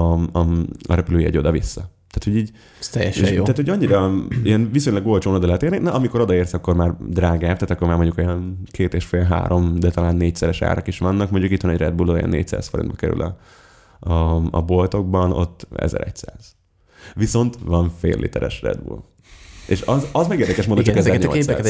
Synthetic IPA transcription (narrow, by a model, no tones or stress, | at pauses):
ɒɾɛpyløːjiɛ̰ɟo̞d̪ɒvisːɒt̪aːt̪ʰhoɟiːɟ | t̪ɛjɛʃeʃjoaːt̪hoɒɲːiɾɒiɛnvisoɲlɒɡːo̞lt͡ʃoːnod̪ɒlɛɛt̪eːrninɛʔɒmiko̞ɾo̞d̪ɒeːrsɒkːo̞rmaːrd̪raːɡaːft̪aːt̪ɒkːomaːmo̞ɲɟukojɒnkʰeːt̪eːʃfeːlɦa̰ːɾo̞md̪ɛt̪ɒlaːnːeːc̚sɛɾɛʃa̰ːɾʔɒkiʃʋɒnːɒkmoɲɟukit̪ʋɒnɛɟrɛd̪̚bulojɛ̰nːḛːc̚sa̰ːsfoɾḭnbɒkɛɾy̰lʔɒ̰ | ɒɒ̰bo̞lt̪o̞ɡ̚bɒno̞̰t̪ːɛ̰zɛ̰ɾɛ̰csaːz̥ | ʋiso̞nt̪ʋɒɱfḛːlːḭt̪ɛɾɛ̰ʃrɛ̰d̪bṵl | ḛʃɒzɒzmɛɡeːrd̪ɛkɛʃmoːd̪ot͡ʃːkɛzɛɾɲols